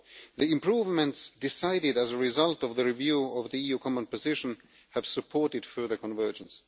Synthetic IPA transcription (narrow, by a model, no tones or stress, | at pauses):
ðiɪ̃mpʰɹ̥uːvmə̃ntsd̥ɪsaɪɾɪdæzəɹɪzʌlˠtɔvðəɹivjuɔvðiijuːkʰɑmə̃npɨzɪʃə̃n̩ | hɨv̥səpʰɔɹɾɨd̥fɜ˞ðə˞kʰɔ̃nvɜ˞d͡ʒə̃ns